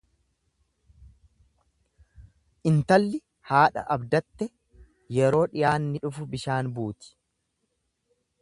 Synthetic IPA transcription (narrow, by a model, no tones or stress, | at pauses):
ʔɪnt̪ɐlːɪ | haːᶑɐ̰ʔɐbd̪ɐt̪ːɛ | jɛɾo̞ːᶑɪjaːnːɪᶑʊfʊbɪʃaːnbuːt̪ɪ̥